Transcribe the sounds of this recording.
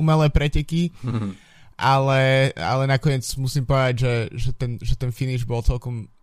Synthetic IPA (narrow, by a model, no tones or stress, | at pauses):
umɛlɛːpɾɛcɛki | ʔalɛa̰lɛnakɔɲɪɛt͡smusiːmpɔʋɛd̪aɟʒɛʒɛt̪ɛnʒɛt̪ɛnfiniʒbɔlˠt͡sɛlˠkɔm